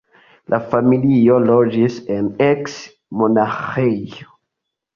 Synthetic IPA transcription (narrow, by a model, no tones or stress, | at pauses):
lʔafamiliolod͡ʒiseneks | monaxeo